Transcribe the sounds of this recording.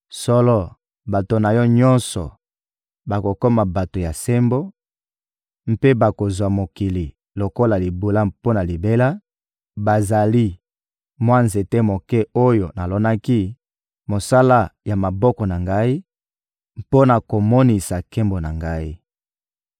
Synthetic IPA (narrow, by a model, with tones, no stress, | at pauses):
sɔ˦lɔ˦ | ba˨to˨na˨jɔ˦ɲɔ̃˦nsɔ̰˨ | ba˨ko˨kɔ˦ma˨ba˨to˨ja˨se˦mbo˦ | m̩˦pe˦ba˨ko˨zwa˨mo˨ki˨li˨ | lo˨ko˦la˨li˨bu˨la˦po˦na˨li˨be˦la˦ | ba˨za˨li˦ | mwa˦nze˨te˦mo˨kɛ˦o˦jo˨na˨lɔ˦na˦ki˦ | mo˨sa˦la˦ja˨ma˨bɔ˦kɔ˨na˨ŋɡa˦i˦ | po˦na˨ko˨mo˦ni˨sa˨kɛ˦mbo˨na˨ŋɡa˦i˦